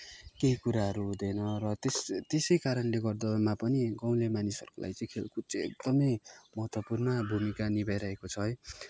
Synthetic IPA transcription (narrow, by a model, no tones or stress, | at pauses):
keɦikuɾaɦʌɾuɦũd̪ʌjnʌrʌt̪est̪esʌjkaɾʌnleɡʌrd̪ʌmapʌniɡʌw̃lemanisʌ̰rkulʔa̰jt͡sʌĩkʰḛlkut͡seḛk̚d̪ʌmʌjmʌɦʌt̪wʌpurnʌbʱumikanibajɾʌɦekot͡sʰʌʌj